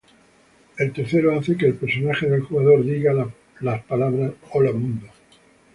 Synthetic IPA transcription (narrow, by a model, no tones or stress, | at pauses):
e̞lt̪e̞ɾθe̞ɾoaθe̞ke̞ːlpe̞ɾso̞naxe̞ðe̞lxuɣaðo̞ɾðiɣa | laspalaβɾasolamũnd̪o